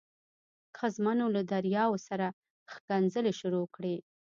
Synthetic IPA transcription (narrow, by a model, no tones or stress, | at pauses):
xazmanolad̪aɾjɑwosaɾa | xkanzəleʃʊɾokɽe